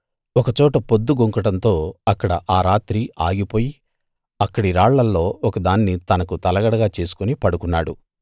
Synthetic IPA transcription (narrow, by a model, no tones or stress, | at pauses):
ɔkɐt͡ʃɔːʈɐpod̪ːuɡoŋkɐʈɐnt̪o̞ːɐkːɐɽɐʔaːɾaːt̪ɾiaːɡipo̞ːji | ɐkːɐɽiɾaːɭːɐlːo̞ːɔkɐd̪aːnːit̪ɐnɐkut̪ɐlɐɡɐɽɐɡaːt͡ʃe̞ːsu̥kunipɐɽukunːaːɽṵ